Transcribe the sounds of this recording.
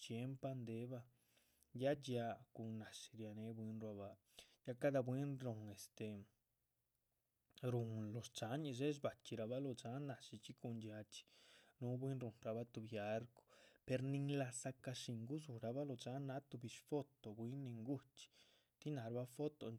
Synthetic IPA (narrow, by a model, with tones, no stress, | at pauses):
t͡ʃje˧˦mpa˧nd̪e˨˦ba˧ | ja˦d͡ʒ̪ja˧ku˧na˨ʃi̥˧ɾja˧ne˧˦bwi˧nɾwa˧ba˧ | ja˦ka˦d̪a˧bwi˦nɾu˧ŋe˨st̪e˨ | ɾu˨nlo˨st͡ʃa˨˧˦ɲi˧ʃ̬e˦ʃ̬ba˨t͡ʃʲi˧ɾa˧βa˦lo˧t͡ʃa˦na˨ʃi˧t͡ʃi˦ku˧ndja˧t͡ʃi̥˧nu˧˦bwi˦nɾu˨nɾa˧βa˦t̪u˧bja˦ɾko̥˧pe˧ɾni˧ŋla˧sa˧ka˧ʂi˨ŋɡu˦z̬u˨ɾa˧ba˦lo˧t͡ʃa˨˦na˦t̪u˧bi˧ʃfo˦t̪o˨bwi˦nːi˧ŋɡu˦t͡ʃi̥˧ | t̪i˦na˨ɾba˧˦fo˦t̪o̰˧